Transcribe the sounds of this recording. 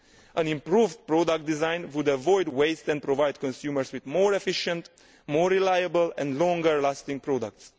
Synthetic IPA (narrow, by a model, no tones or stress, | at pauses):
ʔə̃nĩmpɾuvdpɹɔdak̚t̚d̪izãj̃nwudəvɔjdweɪstɛ̃npɾovajd̚kɔ̃nsjuməɹswɪðmɔɹɛfiʃə̃nt | mɔɹilajəbəlɛ̰̃ndlɔ̃ŋɡəɹlastɪ̃ŋpɹɔdək̚ts